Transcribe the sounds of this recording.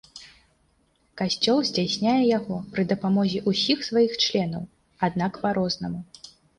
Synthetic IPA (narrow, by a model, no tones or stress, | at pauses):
kasʲt͡sʲɔlˠzʲd͡zʲasʲnʲajɛjaɣɔpɾɨd̪ɐpamɔzʲiʔusʲixsvajixt͡ʂlʲɛn̪ɐw | ad̪nakpaɾɔznɐmu